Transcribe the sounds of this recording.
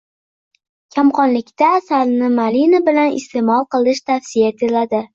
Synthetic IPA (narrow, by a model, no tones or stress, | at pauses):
kʲʰamqɒnlɪkʲt̪aːsalnɪmalinabɪlanɪ̰st̪emɒlˠqɨlˠɪʃt̪ʰafsijat̪ʰelad̪ɪ